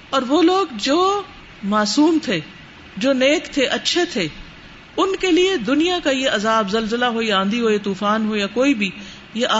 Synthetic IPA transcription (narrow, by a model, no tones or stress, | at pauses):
ɔːɾʋoːloːɡd͡ʒoː | maːsuːmt̪ʰeː | d͡ʒoːneːkt̪ʰeʔɐtːʃʰet̪ʰeː | ʊnkelied̪ʊnijakajeʔɐzaːbzɐlzəlaɦojãːnd̪iɦoːjet̪uːfaːnɦojakoːibʱi | jeʔ